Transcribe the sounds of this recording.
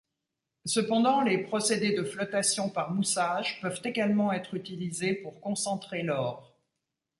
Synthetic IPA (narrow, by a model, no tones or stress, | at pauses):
səpɑ̃d̪ɑ̃lepχɔsed̪ed̪əflɔt̪asjɔ̃paʁmusaʒpœvt̪eɡalmɑ̃ɛt̪χyt̪ilizepuʁkɔ̃sɑ̃t̪χelɔːʁ